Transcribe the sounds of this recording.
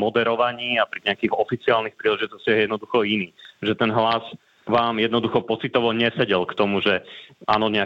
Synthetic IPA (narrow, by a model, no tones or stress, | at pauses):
mɔd̪ɛɾɔʋaɲiːapɾiɲɛakiːxɔfit͡siaːlnixpɾiːlɛʒit̪ɔscɪajɛjɛd̪nɔd̪uxɔiniːʒɛt̪ɛnɦlaz | ʋaːmjɛd̪nɔd̪uxɔpɔt͡sit̪ɔʋɔɲɛsɛɟɛlkt̪ɔmuʒɛʔa̰ːnɔɲɛa